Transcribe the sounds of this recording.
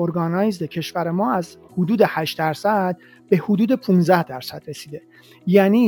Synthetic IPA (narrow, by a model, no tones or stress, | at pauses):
oɾɡɒːnɒːjzd̪ecʰe̞ʃvæɾemɒːæzhod̪uːd̪e̞hæʃt̪̚d̪æɾsæd̪̥̚ | be̞hod̪uːd̪e̞pʰũːnzæhd̪æɾsæd̪̥ɾe̞siːd̪e̞ | jæːniː